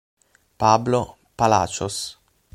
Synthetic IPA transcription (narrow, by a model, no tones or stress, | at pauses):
pablo | pala̰ːt͡ʃo̰s